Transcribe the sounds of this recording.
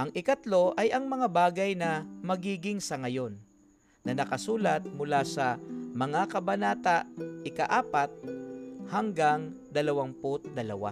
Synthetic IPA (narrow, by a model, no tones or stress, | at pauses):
ʔɐŋɪkɐt̪lo̞ʔɐjɐŋmɐŋabaːɡɐjnɐmɐɡiːɡɪŋsɐŋɐjo̞nː | ɐnɐkɐsuːlɐt̪̚mʊlaːsɐmɐŋakɐbɐnaːt̪aʔɪkaʔaːpat̪̚haŋɡaŋd̪ɐlɐwaŋpʊt̪̚d̪ɐlɐwa̰